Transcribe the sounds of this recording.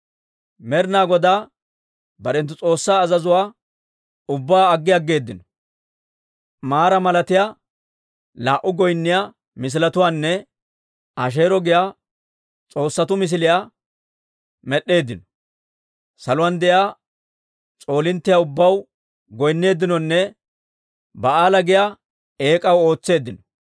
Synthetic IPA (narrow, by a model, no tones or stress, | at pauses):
mɛɾɪnaːɡɔd̪aː | bɐɾɛnt̪ːʊt͡sʼo̞ːsːaːzɐzʊwaː | ʊbːaːɡːɪjɐɡːe̞ːd̪ːɪnɔ̥ | maːɾɐmɐlɐt̪ɪja | laːʔʊɡɔjnːɪja | mɪs̬ɪlɐt̪ʊwaːnːɛ | ɐʃ̬e̞ːɾɔɡɪjaː | t͡sʼo̞ːsːɐt̪ʊmɪs̬ɪlɪjaː | mɛɗːe̞ːd̪ɪnɔ̥ | sɐlʊwɐnd̪ɛjaː | t͡sʼo̞ːlɪnt̪ːɪjaʊbːɐw | ɡɔjnːe̞ːd̪ːɪnɔnːɛ | bɐaːlɐɡɪja | e̞ːkʼɐwo̞ːt͡sːe̞ːd̪ːɪnɔ